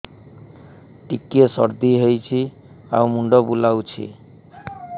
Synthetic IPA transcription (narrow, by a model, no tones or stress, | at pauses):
ʈikiesɔ̰ɾd̪iɦejt͡ɕʰi | awmuɳɖobulawt͡ɕʰḭ